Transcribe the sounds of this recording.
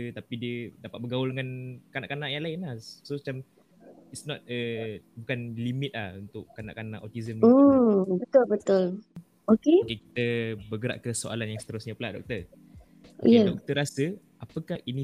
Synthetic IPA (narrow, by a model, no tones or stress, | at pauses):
ət̪apidiədapat̪̚bəɡawʊldəŋankana̰ʔkanaʔjaŋlaɪnlahsomat͡ʃam | itsnɔt̪̚əbukanlimɪt̪̚lahunt̪ʊʔkana̰ʔkana̰ʔɔt̪izəməbət̪ʊlbət̪ʊl | okekeki̥t̪əbəɡəɾa̰ʔkəsoa̰lanjaŋsə̥t̪əɾʊsɲapəlaʔdɔ̰k̚t̪ər | jadɔk̚t̪əɾasə | apəkahini